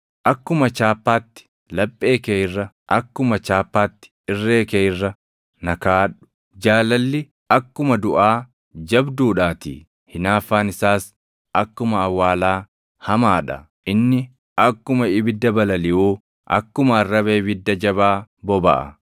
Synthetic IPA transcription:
ʔɐkːʊmɐt͡ʃaːpːaːt̪ːɪ̥ | lɐpʼːe̞ːkejɪrːɐ | ʔɐkːʊmɐt͡ʃaːpːaːt̪ːɪ̥ɪrːeːkeːjɪrːɐ | nɐkaːᶑʊ̥ | d͡ʒaːlɐlːɪ | ɐkːʊmɐd̪ʊʔaː | d͡ʒɐbd̪uːᶑaːt̪ḭː | hɪnaːfːaːnɪsaːs | ʔɐkːʊmɐːwːaːlaː | hɐmaːᶑɐ̰ | ʔɪnːɪ | ʔɐkːʊmɐɪbɪd̪ːɐbɐlɐlɪʔuː | ʔɐ̰kːʊmɐɐrːɐβeːbɪd̪ːɐd͡ʒɐβaːbɔbɐ̰ʔɐ̰

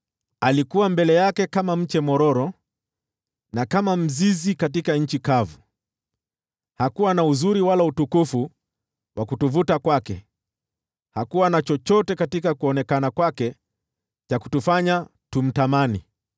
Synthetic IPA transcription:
alikuwambɛlɛjakɛkamam̩t͡ʃɛmɔɾɔɾɔ | nakamam̩zizikat̬ikaɲ̩t͡ʃikavu | hakuwanauzuɾiwalautukufu | wakutuvutakwakɛ̰ | hakuwanat͡ʃɔt͡ʃɔtɛkatikakuɔnɛkanakwakɛ | t͡ʃaku̥tufaɲa | tum̩tamani

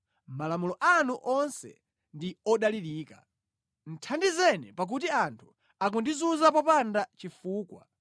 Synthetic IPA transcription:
m̩malamulɔʔanuʔɔnsɛ̰ | ndiɔɗaliɾiːka | n̩tʰandizɛnḭpak̬utiantʰu̥ | ak̬undizuzapɔpandat͡ʃifuːkwa

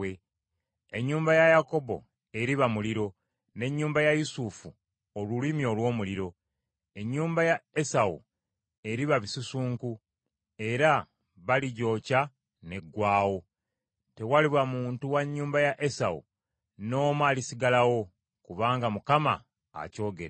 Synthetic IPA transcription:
e | eɲːuːmbajajako̞bo̞̰ | e̞ɾiβamuliɾo̞ | ne̞ɲːuːmbajajusufu | olulimjo̞lwo̞ːmuliɾo̞ | e̞ɲːuːmbajae̞sawṵ | e̞ɾiβaβisusuːŋku | e̞ɾa | βaliɟo̞ːca | ne̞ɡwaːwo̞ | te̞waliβwamuːntuwaɲːuːmbajaʔe̞sawṵ | no̞ːmwaːlisiɡalawo̞ | kuβaːŋɡamukama̰ː | co̞ːɡe̞̰ɾa

